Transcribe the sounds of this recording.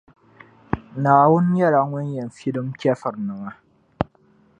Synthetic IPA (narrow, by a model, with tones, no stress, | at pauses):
naː˨wʊ˦njɛ˦la˨ŋʊ˦njɛ˨n˨fi˦lɨ˦mkʲɛ˦fɨ˨ɾnɨ˨ŋa˦